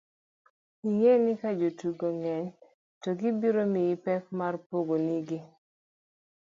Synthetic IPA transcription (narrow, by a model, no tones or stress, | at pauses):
iŋenɪkad͡ʒotuɡoŋɛɲ | tɔɡibiɾomɪɪpɛk̚marpoɡoniɡi